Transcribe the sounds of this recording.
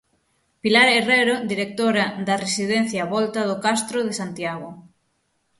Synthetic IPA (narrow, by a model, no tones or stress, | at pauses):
pilaɾereɾod̪iɾek̚t̪oɾaðaresið̞ɛn̟θjaβɔlt̪aðokast̪ɾoð̞esant̪jaɣ̞o